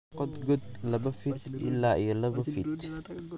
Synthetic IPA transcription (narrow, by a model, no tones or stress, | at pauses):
qɔd̪ɡɔd̪̚lɐβɐfɪd̪ʔɪ̰lːaːʔijɔlɐβɐfɪd̪